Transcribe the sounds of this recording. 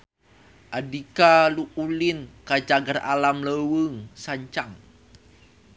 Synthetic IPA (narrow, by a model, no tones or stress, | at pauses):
ʔadikaluʔulinkad͡ʒaɡara̰lamləwəŋsaɲt͡ʃaŋ